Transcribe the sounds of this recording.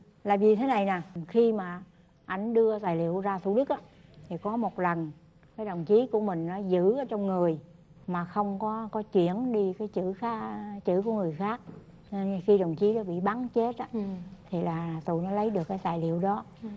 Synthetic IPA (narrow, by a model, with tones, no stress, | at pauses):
laː˨˩vi˨˩t̪ʰe˨˦na˨˩jnaː˨˩xi˧maː˨˩ | ʔa˧jŋ̟ɗɨ˧ət̪aː˨˩jlḭ˧˨əwzaː˧t̪u˧˨ɗɨ˦˥k̚ʔaː˨˦t̪ʰi˨˩kɔ˨˦mo˨˩t̚lə˨˩n | kaː˨˦jɗə˨˩wŋ͡mt͡ɕi˨˦ku˧˩əmï˨˩ŋ̟nɔ˨˦zɨ̰˧˥ʔəː˨˦t͡ɕɔ˧wŋ͡mŋɨ˨˩əj | maː˨˩xə˧wŋ͡mkɔ˨˦kɔ˨˦t͡ɕwḭ˧˩˨ənɗi˧kaː˨˦jt͡ɕɨ̰˧˥xa˦˥t͡ɕɨ̰˧˥ku˧˩əŋɨ˨˩əjxaː˦˥k̚ | nxi˧ɗə˨˩wŋ͡mt͡ɕi˨˦ɗɔ˨˦ɓḭ˧˨ɓa˨˦ŋt͡ɕe˦˥t̚ʔaː˨˦t̪ʰi˨˩laː˨˩˨t̪ṵ˧˨nɔ˨˦lə˨˦jɗɨ˨˩əkːjt̪aː˨˩jlḭ˧˨əwɗɔ˨˦